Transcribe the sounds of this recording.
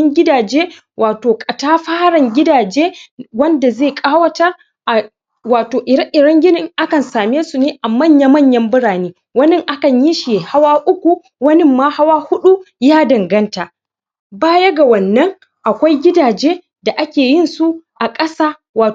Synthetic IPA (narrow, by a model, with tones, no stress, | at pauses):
ɪ˦ŋɡʲɪ˦daː˨d͡ʒeː˦ | wʔaː˨toː˨kʼɐ˨taː˦ɸaː˦ɽɐ˨ŋɡʲɪ˦daː˨d͡ʒeː˦wɐ˦nda˨zeː˦˨kʼaː˦wɐ˦tɐ˦r | ʔa˨ | waː˨toː˨ʔɪ˨dɐ˦ŋʔɪ˨ɽɐ˦ŋɡʲɪ˦nɪ˨ŋʔa˦kɐ˨nsaː˨meː˦su˨neː˦ʔa˨mɐ˦˨ɲja˦mɐ˦˨ɲjɐ˦mbʊ˦ɽaː˨neː˦ | wɐ˦nɪ˦ŋʔa˦kɐ˨ɲji˦ʃi˨ha˦waː˦ʔʊ˦kʷu˨ | wɐ˦nɪ˦mːaː˦ha˦waː˦hʊ˦ɗu˦jaː˦dɐ˨ŋɡɐ˦nta˨ | baː˦jɐ˦ɡa˨wɐ˨nːɐ˦ŋ | ʔa˨kʷa˦jɡʲɪ˦daː˨d͡ʒeː˦ | da˨ʔa˦kʲeː˨jɪ˦˨nsu˦ʔa˨kʼɐ˦saː˦ | waː˨